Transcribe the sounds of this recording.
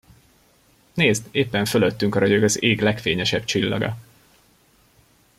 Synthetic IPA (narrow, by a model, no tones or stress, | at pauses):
neːzd̪eːpːɛɱfølø̞t̪ːyŋkɒɾɒɟoɡɒzeːɡlɛkfeːɲɛʃɛbt͡ʃilːɒ̰ɡɒ̰